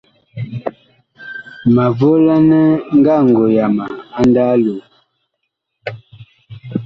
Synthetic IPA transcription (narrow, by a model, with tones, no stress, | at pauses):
ma˨vo˦la˦nə˦ŋ̩˦ɡa˦˨ŋ̩˨ɡo˨ja˨ma˨a˦nda˦lo˨